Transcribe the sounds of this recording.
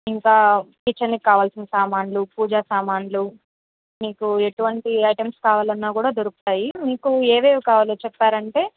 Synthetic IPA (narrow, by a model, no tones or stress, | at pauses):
iŋkaːkit͡ʃːɐnːikːaːʋaːlsinɐsaːmaːnlupuːd͡ʒaːsaːmaːnlu | miːkueʈuʋɐɳʈiɐjʈɐmskaːʋaːlɐnːaːkuːɽaːd̪oɾukut̪aːjimiːkueːʋeːʋikaːʋaːloːt͡ʃɛpːaːɾɐɳʈe̞ː